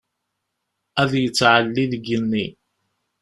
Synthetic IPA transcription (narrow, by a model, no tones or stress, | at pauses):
æðjət͡sːʕəlːiðɡənːi